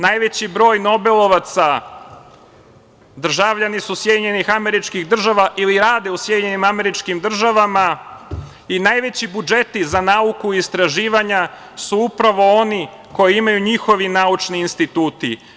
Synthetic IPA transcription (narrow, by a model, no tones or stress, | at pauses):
najʋe̞t͡ɕibɾo̞ːjno̞be̞lˠo̞ʋat̪sa | d̪r̩ʒaʋʎanisusjed̪iɲe̞nixame̞ɾit͡ʃkiɣd̪r̩ʒaʋaʔiliɾaːd̪eusje̞d̪iɲe̞nimame̞ɾit͡ʃkimd̪r̩ʒaʋama | inaːjʋe̞t͡ɕibud͡ʒe̞t̪izanaukuist̪ɾaʒiːʋaɲa | suupɾaʋo̞o̞ni | ko̞jiimajuɲixo̞ʋinaut͡ʃniːnst̪it̪uːt̪i